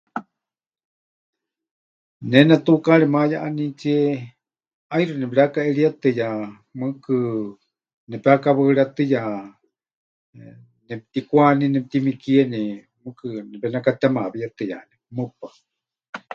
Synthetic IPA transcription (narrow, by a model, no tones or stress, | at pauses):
nɛnat̪ukaɾɛmajaʔanit͡siɛ | aiɾɨnɛpɾakaɛɺiat̪ɨja | mɨkɨ | nɛpɛakaβɨɺat̪ɨja | nɛpt̪ikʷaninɛp̚t̪imikiɛnɛ | mɨkɨnɛpɛnakat̪amaβijat̪ɨja̰nimɨpa